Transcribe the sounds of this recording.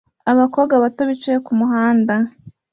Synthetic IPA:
aβako̞ːɡaβatoβit͡ʃeekumuɦaːnda

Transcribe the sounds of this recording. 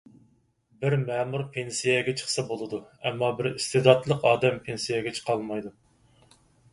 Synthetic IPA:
bɪɾmɛmuɾpʰensijɛɡʲɛt͡ʃʰə̥χsɑbolˠɨd̪uɛmːɑbɪɾist̪ɨd̪ɑt̪lˠəqɑːd̪ɛmpʰensijɛɡʲɛt͡ʃʰə̥qʰɑlˠmɑjd̪u

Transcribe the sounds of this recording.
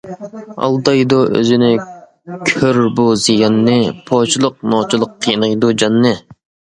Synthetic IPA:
ɑ̰lˠd̪ɑjd̪uø̰zɪnɪ | kʲʰøɾbuzijɑnːɨpʰoːt͡ʃʰilˠəq̚nɑːt͡ʃʰɨlˠəqʰːijnɑjd̪ud͡ʒɑnːɨ

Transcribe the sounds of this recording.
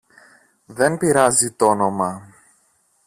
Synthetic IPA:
ðe̞npiɾɐzit̪o̞no̞mɐ

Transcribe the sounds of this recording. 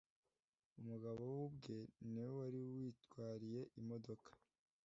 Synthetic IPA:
umuɡaβo̞wubɡe̞niwowaɾiwiːtkwaːɾije̞ʔimo̞do̞kḁ

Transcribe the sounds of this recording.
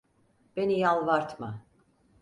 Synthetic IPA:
b̥e̞nijalˠvaɾt̪ʰma

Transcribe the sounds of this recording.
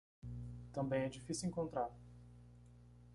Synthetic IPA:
t̪ɐ̃mbẽj̃ɛd͡ʒifisiwĩŋkõnt̪ɾaɾ

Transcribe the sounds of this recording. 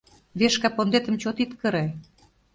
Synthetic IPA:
βeʃkɑpond̪et̪ə̆mt͡ɕot̪it̪kə̆ɾe

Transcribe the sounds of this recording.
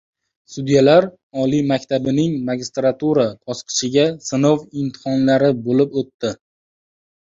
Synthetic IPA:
sud̪jalaɾ | ɒlimakʲt̪ʰabɪnɪŋmaɡʲist̪ɾat̪uɾabʰɒsqʰɨ̥ʃɪɡʲasɪnowɪmt̪ʰɨ̥hɒnlaɾɪbolɪpot̪ːɪ

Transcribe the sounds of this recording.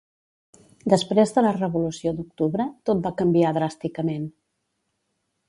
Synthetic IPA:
d̪əspɾezðələrəβulusiod̪uk̚t̪uβɾət̪ot̪̚bakəmbiaðɾast̪ikəmen

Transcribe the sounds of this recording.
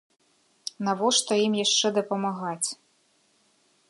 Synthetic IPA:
navɔʂt̪ɔjimjaʂt͡ʂɛd̪ɐpɐmaɣat͡sʲ

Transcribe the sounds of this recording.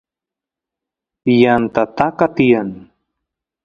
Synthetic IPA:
jant̪at̪akat̪ian

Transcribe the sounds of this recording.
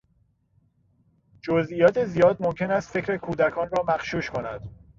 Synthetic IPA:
d͡ʒozʔijɒːt̪ʰe̞zijɒːd̪momcʰe̞næst̪fe̞cʰɾe̞kʰuːd̪ækʰɒːnrɒːmæxʃuːʃkʰo̞næd̪̥

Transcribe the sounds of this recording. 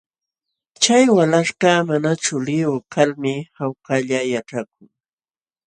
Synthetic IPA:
t͡ʃajwalaʃɢɑmanat͡ʃʊlɪʊkʰalmɪhawkaʎajaʈ͡ʂak̚ʊŋ

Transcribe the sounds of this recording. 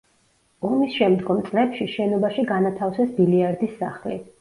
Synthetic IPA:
ɔmisʃɛmd̪ɡɔmt̪sʼlɛpʃiʃɛnɔbaʃiɡanat̪ʰafsɛsbiliaɾd̪isːaχlḭ

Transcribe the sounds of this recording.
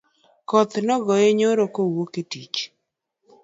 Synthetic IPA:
kɔt̪nɔɡɔjeɲoɾokowoketḭt͡ʃ

